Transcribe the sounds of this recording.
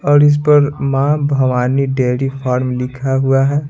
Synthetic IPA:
ɔːɾɪs̬pɐɾmãːbʱɐʋaːniɖeːɾifʰaːɾmlɪkʰaɦuaɦɛː

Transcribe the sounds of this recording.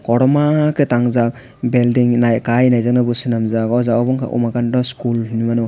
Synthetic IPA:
kɔɾɔmaketaŋzak | beldiŋnajkajnajzak̚nabusinamzakɔwzaɔbɔŋkʰa̰ʔṵmakandɔskulhinimanɔ

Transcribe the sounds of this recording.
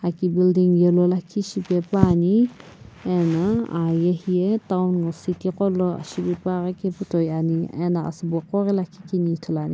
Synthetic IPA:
akibildiŋjɛlɔlakʰiʃibɛpani | ɛnaa̰jehietawnɡɔsitikɔlɔa̰ʃibipaɾakɛputɔjaniɛ̰naa̰sbɔkɔɾɛlakʰikinitʰɔlani

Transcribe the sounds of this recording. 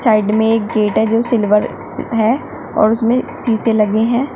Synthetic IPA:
saːɪɖmẽeːkɡeːʈɦɛd͡ʒoːsɪlʋəɾ | ɦɛ | ɔ̰ːɾʊsmẽsiːselɐɡeɦɛ̃ː

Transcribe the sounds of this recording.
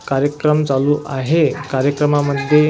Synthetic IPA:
kaɾjəkɾəmt͡saluːʔaɦekaɾjəkɾəmaməd̪ʱje

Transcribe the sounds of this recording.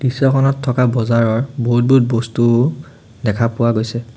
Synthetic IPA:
d̥isɔkʰɔnɔtʰːɔkabɔzaɹɔɹboɦut̚but̚bostu | dɛkʰapʊwaɡojsɛ

